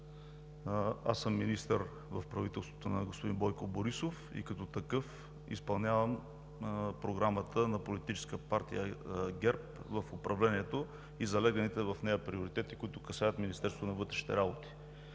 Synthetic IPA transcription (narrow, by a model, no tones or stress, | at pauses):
a̰səmːinist̪əɾ | vɐfpɾɐvit̪ɛlˠst̪vot̪onɐɡospʊd̪inbɔjkoboɾisofḭkɐt̪ɔt̪ɐkɤf | ḭspɐlˠnʲavɐm | pɾoɡɾamət̪ənɐpolit̪it͡ʃɛ̥skəpaɾt̪ḭjəɡʲɛɾp̚vɐfʊpɾɐvlɛniɛt̪o | izɐlɛɡɐnit̪ɛvɐfnɛjəpɾioɾit̪ɛt̪i̥kʊit̪ʊkɐsajət̪minist̪ɛɾsvot̪onɐvɤt̪ɾɛʃi̥t̪ɛ̰ɾabot̪i̥